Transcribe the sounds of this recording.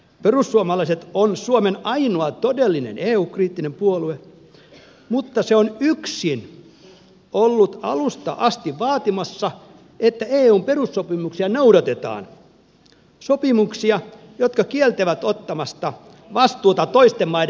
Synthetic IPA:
perusːuomɑlɑiset̪onsuomenɑinoɑt̪odelːinḛneːuːkriːt̪ːinempuolue | mut̪ːɑseonyksin | olːut̪ɑ̰lust̪ɑ̰ʔɑst̪iʋʋɑːt̪imɑsːɑ | et̪ːæeːuːmperusːopimuksiɑnoudɑt̪et̪ɑ̰ːn | sopimuksiɑ | jot̪kɑkielt̪æʋæt̪ot̪ːɑmɑst̪ɑ | ʋɑst̪uːt̪ɑt̪oist̪emmɑid

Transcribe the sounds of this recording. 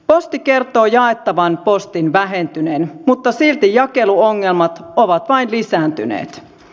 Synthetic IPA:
po̞st̪ike̞rt̪o̞ːjɑe̞t̪ːɑʋɑnpo̞st̪inʋæɦe̞nt̪yneːnmut̪ːɑsilt̪ijɑke̞luo̞ŋːe̞lmɑt̪oʋɑt̪ʋɑinlisæːnt̪ynḛːt̪

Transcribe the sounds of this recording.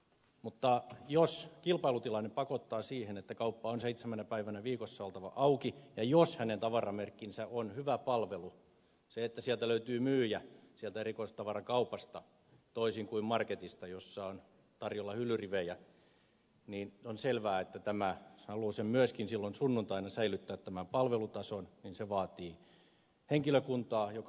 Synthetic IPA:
mut̪ːɑjoskilpɑilut̪ilɑnːepɑkot̪ːɑːsiːhenet̪ːækɑupːɑonseit̪semænæpæiʋænæʋiːkosːɑolt̪ɑʋɑ̰ʔɑukijɑjoshænent̪ɑʋɑrɑmerkːinsæonhyʋæpɑlʋelu | seet̪ːæsiælt̪æløyt̪yːmyːjæsiælt̪æerikoist̪t̪ɑʋɑrɑkɑupɑst̪ɑ | t̪oisiŋkuimmɑrket̪ist̪ɑjosːɑon | t̪ɑrjolːɑhylːyriʋejæ | niːnonselʋæːet̪ːæt̪æmæhɑlusemmyøskinsilːonsunːunt̪ɑinɑsæilyt̪ːæːt̪t̪ːæmæmpɑlʋelut̪ɑsonninseʋɑːt̪iː | heŋkiløkunt̪ɑːjok

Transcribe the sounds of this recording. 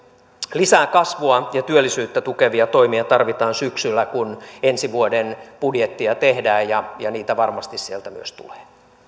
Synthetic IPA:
lisæːkɑsʋuɑjɑt̪yølːisyːt̪ːæt̪ukeʋiɑt̪oimiɑt̪ɑrʋit̪ɑːnsyksylːækunensiʋuodenpudjet̪ːiɑt̪ehdæːjjɑjɑniːt̪æʋɑrmɑst̪issielt̪æmyøst̪ṵle̥ː

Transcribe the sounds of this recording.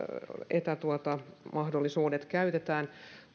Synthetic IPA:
et̪æt̪uot̪ɑmʔɑhdolːisuːdet̪kæyt̪et̪æːn

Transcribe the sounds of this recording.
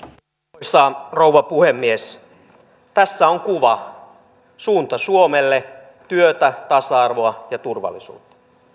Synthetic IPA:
osɑːrouʋɑpuhemːies | t̪æsːæoŋkuʋɑ | suːnt̪ɑsuomelːe | t̪yøt̪æt̪ɑsɑɑrʋoɑjɑt̪urʋɑ̰lːˑisṵːt̪ːɑ̥

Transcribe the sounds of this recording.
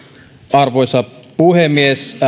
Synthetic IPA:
ɑrʋojsɑpuhemːies

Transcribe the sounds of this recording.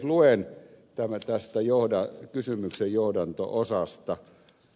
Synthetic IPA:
luent̪æmæt̪æst̪æjohdɑkysymyksejjohdɑnt̪o̰osɑst̪ɑ

